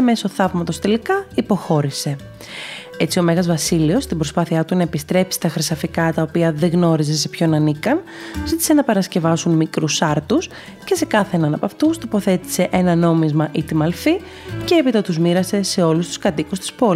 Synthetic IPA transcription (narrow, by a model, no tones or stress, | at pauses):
eme̞so̞θɐvmɐt̪o̞st̪e̞likɐipo̞xo̞ɾise̞ | e̞t͡sio̞meɣɐzvɐsilio̞st̪ibɾo̞spɐθiɐt̪unɐepist̪ɾe̞psi̥t̪ɐxɾisɐfikɐt̪ɐopiɐðeɣno̞ɾize̞se̞pço̞nɐnikɐn | zit̪i̥se̞nɐpɐɾɐsce̞vɐsunmikɾusɐɾt̪us | ce̞se̞kɐθenɐnɐpɐft̪ust̪opo̞θe̞t̪i̥se̞ʔe̞nɐno̞mizmɐʔit̪imɐlfi | ce̞epit̪ɐt̪uzmiɾɐse̞se̞o̞lust̪u̥skɐt̪ikust̪i̥spo̞